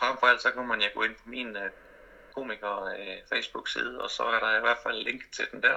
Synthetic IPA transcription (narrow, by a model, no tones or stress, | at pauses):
fʁɑm̰fɒæl̰d̥sɒ̽kunəmænjaɡ̥o̰e̝npʰɒ̽miːnø | kʰo̝̰ːmiɡ̥ɐfḛsb̥uɡ̥sḭːð̞̩ˠɒ̽sɒ̽æɐɾɑ̈iʋæɐ̰d̥fæl̰ːe̝ŋ̰ɡ̥t͡sʰe̝ld̥end̥æɐ̰